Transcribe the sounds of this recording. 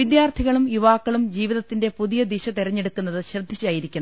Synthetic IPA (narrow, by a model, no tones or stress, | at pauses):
ʋid̪jaːrt̪ʰiɣɐɭumjuʋaːkːɐɭumd͡ʑiːʋiðɐt̪ːinde̞puðijɐd̪iɕɐt̪iɾɐɲːe̞ɽukːunːɐðɨɕrɐd̪ʱːit͡ɕːaːjiɾikʲːuɳɐm